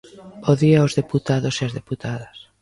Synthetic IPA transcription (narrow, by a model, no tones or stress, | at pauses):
poðiaozðeput̪aðoseazðeput̪aðas